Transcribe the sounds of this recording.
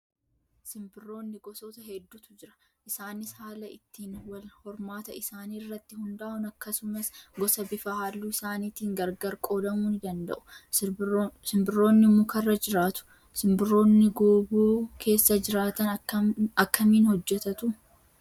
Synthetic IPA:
sɪmbɪrːo̞ːnːɪɡɔsoːt̪ɐɦɛd̪ːut̪ʊd͡ʒɪɾɐ̥ | ʔɪsaːnɪshaːlɐɪt̪ːiːnwɐlhɔɾmaːt̪ɐɪsaːniːrːɐt̪ːɪhʊnd̪aːʔʊnɐkːɐsʊmɐsɡɔsɐbɪfɐhaːlːuɪsaːniːt̪iːŋɡɐɾɡɐɾkʼo̞ːlɐmuːnɪd̪ɐnd̪ɐ̰ʔʊ̥ | sɪmbɪrːo̞ːnːɪmʊkɐrːɐd͡ʒɪɾaːt̪ʊ̥ | sɪmbɪro̞ːnːɪɡuːbuːkʰe̞ːsːɐd͡ʒɪɾaːt̪ɐnɐkːɐmiːnhɔd͡ʒːɛt̪ɐt̪ʊ

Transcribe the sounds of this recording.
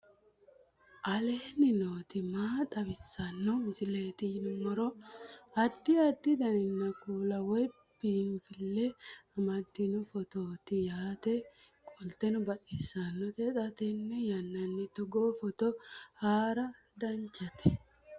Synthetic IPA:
ʔɐleːnːɪnoːt̪ɪmaːt̪ʼɐbɪsːɐnːɔmʊsɪle̞ːt̪ɪnʊmɔɾɔɐd̪ːɪɐd̪ːɪd̪ɐnɪnːɐkuːlɐwɔjbinfɪlːɛɐmɐd̪ːɪnʊfɔt̪oːt̪ɪjaːt̪ɛ | kʼɔlt̪ɛnʊbɐtisːɐnːɔt̪ɛt̪ʼɐt̪ɛnːɛjɐnːɐnːɪt̪ɔɡoːfɔt̪ɔhaːɾɐ | d̪ɐɲt͡ʃɐt̪ɛ

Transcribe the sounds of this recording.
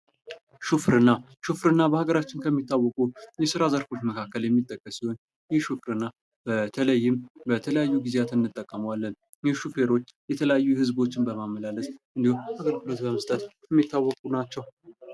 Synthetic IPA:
ʃufɾɨnːa | ʃufɾɨnːabəhaɡəɾat͡ʃːɪnkʰəmːit̪ːawːɔkʼujɛsɨɾazəɾfo̞t͡ʃməkʰakːəljɛmːit̪ʼːəkʼːəsiho̞n | jɛhʃufɾɨnːa | b̥ət̪ʰələjːɪmbət̪ʰələjajːuɡizeat̪ɨnːɨt̪ʼːəkʼːəmwalːən | jɛʃufe̞ɾo̞t͡ʃːjɛt̪ʰələjajːuhɨzbo̞t͡ʃːɪnbəmamːəlaləsʼʔɨnd̪ihumhaɡəɾkʰɨlot̪bəməst̪ʼət̪ | ɛmːit̪ʰːawːɔkʼunat͡ʃːɛw

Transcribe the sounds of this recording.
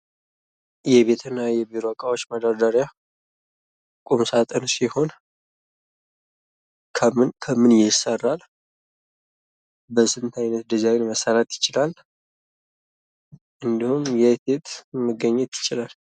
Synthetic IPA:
jɛβe̞t̪ʰɨnːajɛbiɾakʼawot͡ʃːməd̪ad̪aɾja | kʼumsat̪ʼənsiho̞n | kʰmnkʰəmɨnjɪsərːal | bəsɨnt̪ʰajnət̪̚d̪əzawnməsaɾat̪jɪt͡ʃɪlal | ʔɨnd̪ihumjɛt̪et̪ʰmɨɡːəɲːɛt̪jɪt͡ʃʼːɪlal

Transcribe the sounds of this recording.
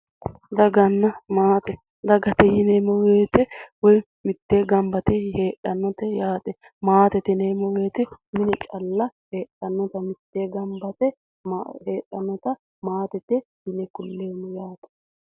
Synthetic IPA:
d̪ɐɡɐnːɐmaːt̪ɛ | d̪ɐɡɐt̪ɛjɪnemɔweːt̪ɛwɔj | mɪt̪ːeːɡɐmbɐt̪ɛheːʔɐnːɔt̪ɛjaːt̪ʼɛ | maːt̪ɛt̪ɪneːmɔweːt̪ɪmɪnɛt͡ʃʼɐlːɐheːɗɐnːɔt̪ɐmɪt̪ːeːɡɐmbɐt̪ɛ | heːʔɐnːɔt̪ɐ | maːt̪ɛt̪ɛjɪnɛkʊlːeːmːɔjaːt̪ɐ̥

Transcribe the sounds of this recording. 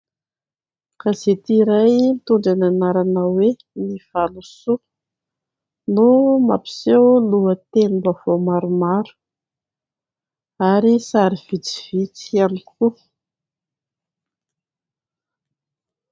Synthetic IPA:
kaz̥et̪iɾajnit̪uɳɖ͡ʐananaɾanawe | niv̥alusu | numa̰pi̥sewluət̪enibavomaɾumaɾu̥ | aɾisaɾiv̥it͡si̥v̥it͡sianiku

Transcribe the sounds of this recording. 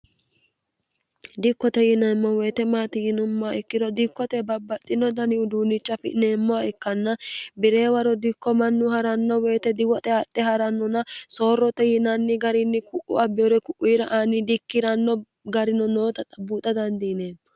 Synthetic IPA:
d̪ɪkːɔt̪ɛjɪnɐmːɔweːt̪ɛmaːt̪ɪjɪnʊmːaɪkːɪd̪ɔd̪ɪkːɔt̪ɛbɐbːɐt̪ʼːɪnɔd̪ɐnɪʊd̪uːnɪt͡ʃːɐfɪ̰ʔneːmːɔaɪkːɐnːɐbɪɾe̞ːwɐɾɔd̪ɪkːɔmɐnːʊhɐɾɐnːɔweːt̪ɛd̪ɪwɔt̪ʼɛhɐt̪ʼːɛhɐɾɐnːɔnɐsoːrːɔt̪ɛjɪnɐnːɪɡɐɾɪnːɪkʊʔʊ̰ɐbːɪɔɾɛkʊʔːiːɾɐʔaːnɪd̪ɪkːɪɾɐnːɔ | ɡɐɾɪnɔno̞ːt̪ɐt̪ʼɐbuːt̪ʼɐd̪ɐnd̪ineːnɔ

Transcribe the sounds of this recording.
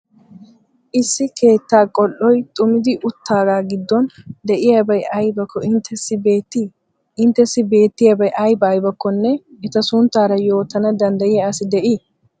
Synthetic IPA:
ʔɪsːɪkʰe̞ːt̪ːaːkʼɔlːɔjt̪ʼʊmɪd̪ɪʔʊt̪ʰːaːɡaːɡɪd̪ːɔnd̪ɛʔɪjaːbɐjʔɐjbɐkːɔɪnt̪ʰːɛsːɪbe̞ːt̪ːi | ɪnt̪ːɛsːɪbe̞ːt̪ːɪjabɐjʔɐjbɐːjbɐkːɔnːɛɛt̪ɐsʊnt̪ːaːɾɐjo̞ːt̪ːɐnɐd̪ɐnd̪ɐjɪjaɐsɪd̪ɛʔɪː

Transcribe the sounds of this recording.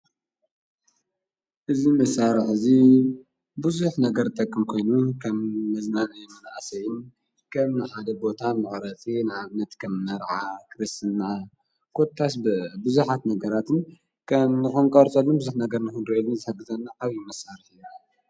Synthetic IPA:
ʔɨzimɐsaɾɨħɨzi | bɨzuħnɐɡɐɾt̪ʼɐkʼːɨmkʰo̞jnukʰɐmːɐznanɨjɛmɐnaʔasɐjɪn | kʰɐmnɨħad̪ɐbo̞t̪ʰamɨχʼɾɐt͡sʼinaaβnɐt̪kʰɐmnɐɾʕakʰɨɾɨst̪ɨnːa | kʰʼot̪ʰːasbɨzuħat̪nɐɡɐɾat̪ɨn | kʰɐmnɨxonkʼɐɾt͡sʼɐlːobɨzuħnɐɡɐɾnɨxɨnɾelnzɨhɐɡːɨzɐnːaʔaβjimɐsaɾɨħɨjua

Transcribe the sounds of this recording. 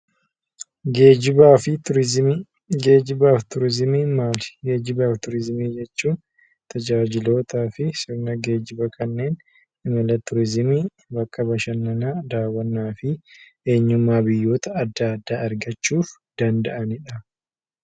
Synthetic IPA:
ɡeːd͡ʒɪbaːfɪʊ | ɡeːd͡ʒɪbaːft̪ʊɾɪzɪmiːmaːlɪ̥ɡe̞ːd͡ʒɪbaːft̪ʊɾɪzɪmiːd͡ʒɛt͡ʃːuːn | t̪ɐd͡ʒaːd͡ʒɪlo̞ːt̪aːfɪsɪɾnɐɡe̞ːd͡ʒɪbɐkʰɐnːe̞ːn | ʔɪmɐlɐt̪ʊɾɪzɪmiː | bɐkːɐbɐʃɐnːɐnaːd̪aːwɐnːaːfɪ | e̞ːɲːʊmːaːbɪjːo̞ːt̪ɐːd̪ːaːd̪ːaːɐɾɡɐt͡ʃːuːfd̪̥ɐnd̪ɐʔɐnɪᶑɐ

